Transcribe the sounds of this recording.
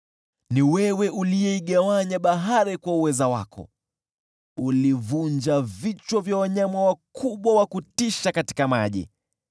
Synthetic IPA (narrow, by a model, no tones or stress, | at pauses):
niwɛwɛʔulijɛiɠawaɲaɓaɦaɾikwauwɛzawa̰kʰɔ̰ | ulivund͡ʒavit͡ʃwɔvjawaɲamawakʰuɓwawakutiʃakati̥kamaʄḭ